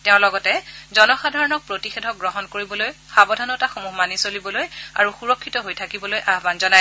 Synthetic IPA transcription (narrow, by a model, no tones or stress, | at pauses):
tɛʊ̃lɔɡɔtɛzɔnɔxadʱaɹɔnɔk̚pɹotixedʱɔk̚ɡɹɔɦɔnkoɹibɔloj | xabɔdʱanɔtaxomuɦmanisolibɔloja̰ɹuxuɹɔkʰːitɔɦojtʰakibɔlojʔaɦbanzɔnaj